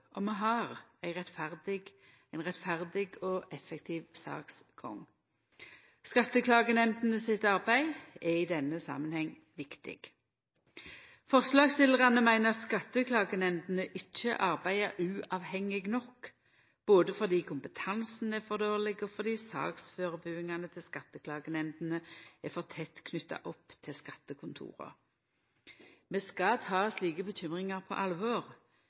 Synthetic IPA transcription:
ʔɔmɛɦɑʁæɪʁɛt̪fæʁd̪ɪɡ | æɪnʁɛt̪fæʁd̪ɪɡɔʔɛfɛkt̪ʰiːʋsɑ̰ːks | ɡ̥ɔ̰ŋ | skɑt̪ːəkʰlɑːɡənɛmd̪n̩əsɪt̪ɑʁbæɪɛɪd̪ɛnːəsɑ̰mənhɛŋ | ʋɪkt̪ɪ̰ɡ̥ | fɔʁslɑːɡst̪ɪləʁɑnəmæɪnəɑt̪skɑt̪ːəkʰlɑːɡənɛmd̪nəʔɪt͡ʃːəʔɑʁbæɪəʉːʔɑʋhɛŋːɪɡnɔk | b̥oːd̪əfɔʁd̪iːkʰʊmpət̪ʰɑnsn̩ɛfɔʁd̪oːʁlɪɡɔfɔʁd̪iːsɑ̰ːksføːʁəbʉːɪŋɑnət̪ʰɪlskɑt̪ːəkʰlɑːɡənɛnd̪n̩əɛfɔʁt̪ʰɛt̪kʰnʏt̪ːɑ̰ʔɔpːt̪ʰɪlskɑt̪ːəkʰʊnt̪ʰṵːʁə̰ | meːskɑt̪ʰɑːsliːɡəbəc͡çʏmʁɪŋɑʁpʰɔ̰ʔɑlʋɔːʁ

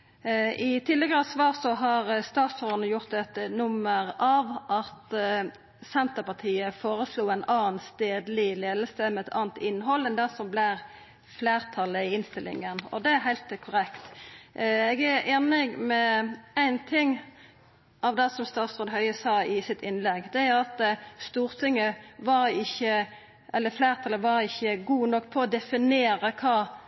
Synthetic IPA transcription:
ɪt̪ʰɪlːəɡəʁəsʋɑːʁsɔɦɑʁst̪ɑːt̪sføːʁənəjʊʁt̪ɛt̪nʊmːəʁɑʋʔɑt̪ | sɛnt̪əpɑt̪ʰiːəfoːɾəsluːæɪnɑːnst̪eːd̪lɪleːd̪l̩səmɛɛt̪ʰɑ̰ːnt̪ɪnːɦɔlːɛnd̪ɛsɔmblɪɾ | fleːɾt̪ʰɑləɪɪnst̪ɪlːɪ̰ŋənɔ̰d̪ɛæɦæɪlt̪kʰʊɾɛkt̪ | ɛɡæɾeːnɪɡmɛæɪnt̪ʰɪŋ | ʔɑʋd̪ɛsɔmst̪ɑːt̪sʁoːd̪ɦœʏəsɑːɪsɪt̪ʰːɪnlɛɡd̪ɛæʁɑt̪st̪uːɾt̪ʰɪŋːəʋɑɾɪçːə | ʔɛlːəfleːʁt̪ʰɑləʋɑɾɪçːəɡuːnɔkːpʰɔɔd̪ɛfɪneːɾəkʰɑː

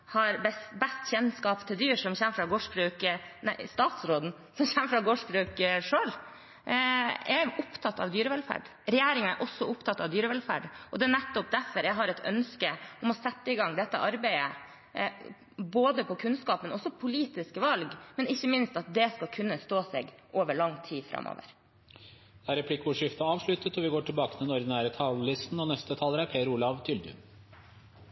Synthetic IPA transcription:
hɑɾbɛbɛst̪çɛnskɑːpt̪ʰɪld̪yːɾʂɔmçɛməfɾɑɡoːʂbɾʉːkənæɪst̪ɑːt̪sɾoːd̪n̩ | sɔmçɛməfɾɑɡoːʂbɾʉːkəʂøːl | ɛɾʊpt̪ʰɑt̪ːɑ̰ʋd̪yːɾəʋɛlfæ̰ːɖ | ɾɛjæːɾɪŋɑɛ̰ɾʔɔsːɔʊpt̪ʰɑt̪ːɑʋd̪yːɾəʋɛlfæ̰ːɖʔɔd̪ɛnɛt̪ːɔp̚d̪æɾfɔɾjæɦɑɾɛɪt̪ʰœ̰nskəʔɔmɔsɛt̪ːəɪɡɑŋd̪ɛt̪ːə̰ʔɑɾbæɪə̰ | boːd̪əpʰɔkʰʉnskɑːpmɛnɔsɔpʰʊliːt̪ɪskəʋɑlɡmɛnɪçːəmɪnst̪ɑt̪̚d̪ɛskɑlkʰʉnːəst̪oːsɛ̰ɡʔoːʋəɭɑŋt̪ʰiːfɾɑ̰mʔo̰ːʋə̰ɾ | d̪̥æɾɛpʰlɪkːʊʂɪft̪ɑɑːʋʂɭʉt̪ət̪ɔʋɪɡoːʈʰɪlbɑːkət̪ʰɛnɔɾd̪ɪnæːɾət̪ʰɑllɪst̪n̩ɔnɛst̪ət̪ʰɑːləɾæpʰeːɾuːlɑʋt̪ʰʏld̪ʉ̰

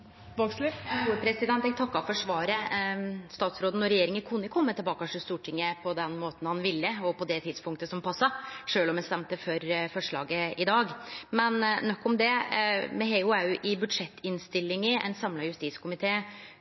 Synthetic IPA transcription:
bɑkslɪuːəpʰɾɛsɪd̪ɛnt̪ɛɡ̚t̪ʰɑkːɑfɔʂʋɑːɾə | st̪ɑːt̪sɾoːd̪n̩ɔɾɛjeːɾɪŋənkʰʉnːəkʰɔmːət̪ʰəlbɑːkɑʂɔst̪uːʈʰɪŋːəpʰɔd̪ɛnmoːt̪n̩hɑnʋɪlːəɔpʰɔd̪ɛt̪ʰɪd̪spʊŋkt̪əsɔmpʰɑsːɑʂøːlɔmɛnst̪ɛmt̪əfɔɾfɔʂɭɑ̰ːɡəɪd̪ɑːɡmɛnnɔkːɔmd̪ɛmɛɦɛɪʊæʉʔɪbʉd̪ʂɛt̪ːɪnst̪ɪlːɪŋəɛ̰ɪnsɑmlɑjʉst̪iːt̪skʰʊmɪt̪ʰeː

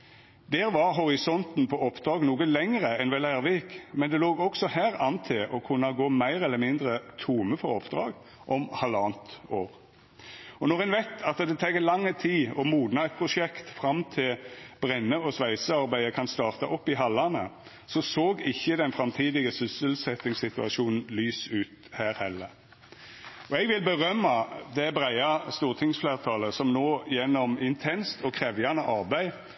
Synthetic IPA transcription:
d̪ɛːɾʋɑʁɦɔʁɪsɔnt̪n̩pʰɔɔpːd̪ɾɑːɡnuːɡəlɛŋəʁəɛnʋɛlæːʁʋeːkmɛnd̪ɛloːɡɔksɔhæːɾɑnt̪ʰɪlʔɔkʰʉnːɑɡoːmæɪɾɛlːəmɪnd̪ʁət̪ʰuːməfɔʁɔpd̪ɾɑ̰ːɡ | ʔɔmhɑlɑːnt̪oːɾ | ɔnɔʁɛnʋæt̪ʰːɑt̪d̪ɛt̪ʰɛːɡəlɑŋːət̪ʰiːɔmuːd̪nɑɛt̪̚pʰʁʊʂɛkt̪fɾɑmt̪ʰɪlb̥ʁɛnːəɔsʋæɪsəɑʁbæɪəkʰɑnst̪ɑːʁt̪ɑʔɔpːɪɦɑlːɑnə | sɔsoːɡɪçːəd̪ɛnfɾɑmt̪ʰiːd̪ɪɡəsʏsəlsɛt̪ɪŋsɪt̪ʉɑʃuːnn̩lyːsʉːt̪hæːɾhɛlːəʁ | ɔɛɡʋɪlbəʁœmːɑd̪ɛbʁæɪɑst̪uːʁt̪ʰɪŋsfleːʁt̪ʰɑːləsɔmnoːjɛnːɔmɪnt̪ʰɛnst̪ʰɔkʰʁɛːʋjɑnəʔɑʁbæɪ

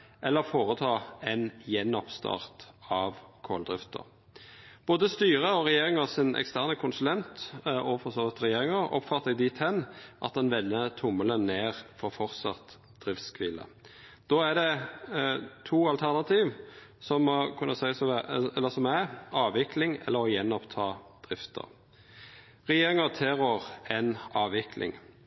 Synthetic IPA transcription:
ʔɛlːəʁfoːʁət̪ʰɑːɛnjɛnːɔpst̪ʰɑ̰ʁt̪ɑʋkʰo̰ːld̪ʁɪft̪ə̰ɾ | b̥oːd̪əst̪yːʁəɔʁɛjeːɾɪŋəsɪnʔɛ̰kst̪æʁnəkʰʊnsʉlɛnt̪ɔfɔʁsoːʋɪt̪ɾɛjeːʁɪŋəɾɔ̰pːfɑt̪ːəd̪iːt̪ʰɛnʔɑ̰t̪̚d̪ɑnʋɛnːət̪ʰʊmːələnneːʁfɔʁfɔɾt̪sɑ̰t̪ | d̪̥ʁɪft̪skʰʋiːlə̰ | d̪̥oːæd̪ɛ | t̪ʰuːɑlt̪ʰæʁnɑt̪ʰiːʋsɔmɔkʰʉnːəsæɪsɔɛlːəsɔmæɑːʋɪkʰlɪŋɛ̰lːəʁɔjɛnːɔpt̪ʰɑːd̪̥ʁɪft̪ʰə̰ʁ | ʁɛjeːɾɪŋət̪ʰɛʁɔʁɛnɑːʋɪkʰlɪ̰ŋ

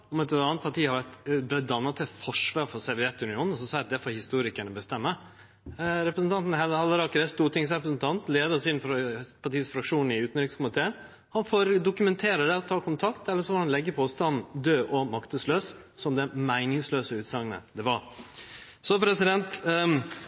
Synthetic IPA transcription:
ɔmɛt̪ɑːnət̪pʰɑʈiːhɑɾʋæʈ̪bɛd̪ɑnːɑt̪ʰːɛfɔʂʋɑːɾfɔsɛʋɪɛt̪ːʉnɪuːn̩ɔsɔsæd̪ɛfɔɾhɪst̪uːɾɪkəɳəbəst̪ɛmːə | ɾɛpɾəsn̩t̪ʰɑnt̪n̩hɛlhɑlːəɾɑkɾɛst̪uːʈ̪ɪŋsɾɛpɾəsn̩t̪ʰɑnt̪leːd̪ɑsɪnfpʰɑʈiːsfɾɑkʂuːn̩ɪʉːt̪nɾɪŋskʊmɪt̪ʰeːən | hɑnfoːɾd̪ʊkʉmɛnt̪ʰeːɾəɖɛɔt̪ʰɑːkʰʊnt̪ʰɑkt̪ɛlːəʂɔfɔɾhɑnlɛɡːəpʰɔst̪ɑnn̩d̪øːʔɔmɑkt̪əsløːssɔmd̪ɛmæɪnɪŋsløːsəʉːt̪sɑŋənə̰d̪ɛʋɑɾ | sɔpʰɾɛsɪd̪ɛnt̪

